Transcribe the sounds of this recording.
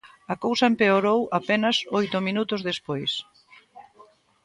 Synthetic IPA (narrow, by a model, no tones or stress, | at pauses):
ɐkowsɐempeoɾowapenɐsojt̪ʊminut̪ʊzðespojs